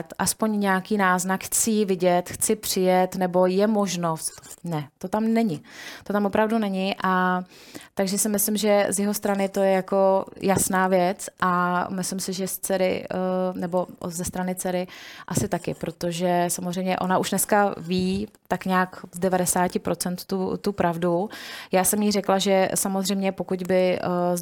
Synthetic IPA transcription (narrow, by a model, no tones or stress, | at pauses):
t̪ʔaspo̞ɲɲɛakiːnaːznakxt͡sɪvɪɟɛt̪xt͡sɪpr̝̥ɪjɛt̪nɛbo̞jɛmo̞ʒnost̪nɛt̪o̞t̪amnɛɲɪt̪o̞t̪amvopɾavdunɛɲɪʔa | t̪aɡʒɛsɪmɪslɪmʒɛzjɛɦo̞st̪ɾanɪt̪o̞jɛjako̞jasnaːvjɛt͡sʔamɪslɪmsɪʒɛst͡sɛɾɪ̰nɛbo̞zɛst̪ɾanɪt͡sɛɾɪʔasɪt̪akɪpɾo̞t̪o̞ʒɛsamozrɛjmɲɛʔo̞naʔuʃnɛskaviː | t̪akɲaːkzdɛvadɛsaːcɪpɾʔo̞t͡sɛnt̪t̪ut̪upɾʔavdujaːsɛmjiːrɛklaʒɛsamo̞zrɛjmɲɛpo̞kuɟbɪ